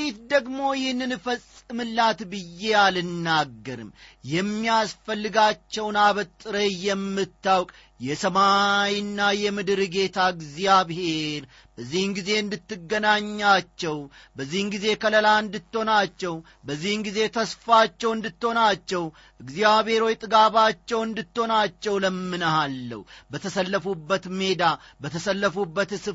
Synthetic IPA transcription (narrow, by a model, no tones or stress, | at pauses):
it̪d̪əɡmo̞jɛhnːɨnɨfəsʼɨmɨlːat̪bɨjːe̞alɨnːaɡːəɾɨ̰mjɛmːijasfəlːɨɡat͡ʃːɛwnaβət̪ʼːɨɾejɛmːɨt̪ːawkʼ | jɛsəmajinːajɛmɨd̪ɾɨɡe̞t̪ʰaɡziaβhe̞ɾ | bəzːihɨŋɡize̞ɨnd̪ɨt̪ːɨɡːənaɲːat͡ʃːɛw | bəzːihɨŋɡize̞kʰələlaɨnd̪ɨt̪ːo̞nat͡ʃːɛw | bəzːihɨnɡize̞t̪ʰəsfat͡ʃːɛwɨnd̪ɨt̪ːo̞nat͡ʃːɛw | ʔɨɡzjaβhe̞ɾwojt̪ʼɨɡabat͡ʃːɛwɨnd̪ɨt̪ːo̞nat͡ʃːɛwləmːɨnəhalːə̰wbət̪ʰəsəlːəfubːət̪me̞d̪abət̪ʰəsəlːəfubːət̪ɨsɨ